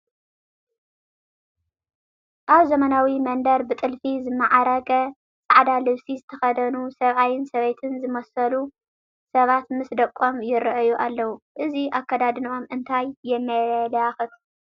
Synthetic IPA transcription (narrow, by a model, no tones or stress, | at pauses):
ʔaβzɐmɐnawimɐnd̪ɐɾbɨt̪ʼɨlfizɨmːaʕaɾɐɡʼɐ | t͡sʼaʕd̪alɨβsizɨt̪ʰɐxɐd̪ɐnusɐβajɪnsɐβejt̪ʰɨnzɨmɐsɐlu | sɐβat̪mɨsd̪ɐkʼːomjɪɾɨʔɨjuʔalːɐwuʔɨziʔakːɐd̪ad̪ɨno̞mʔɨnt̪ʰajːɛmːajlalaxɨt̪